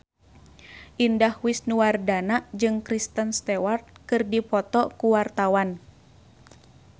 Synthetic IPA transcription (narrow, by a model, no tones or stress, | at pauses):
ʔindahwisnuwardanaʔd͡ʒɨŋkɾist̪ənst̪ɛwart̪̚kɨrdipɔt̪ɔkuwart̪awan